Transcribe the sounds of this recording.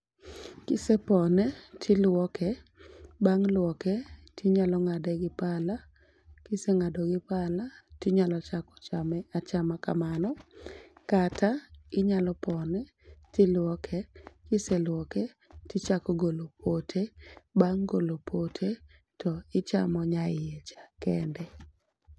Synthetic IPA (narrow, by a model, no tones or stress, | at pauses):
kɪsepɔnɛtʰɪlwɔkʰɛbaŋlwɔkɛtʰɪɲalɔŋadɛɡɪpala | kɪseŋadɔɡɪpalatɪɲalɔt͡ʃakɔ̥t͡ʃamɛat͡ʃamakamanɔkataɪɲalɔpɔnɛ | tɪlwɔkʰɛkɪselwɔkɛ | tɪt͡ʃakɔɡolopʰotʰebaŋɡolopʰotʰe | tɔɪt͡ʃa̰mɔɲaɪjet͡ʃḁkɛ̰ndɛ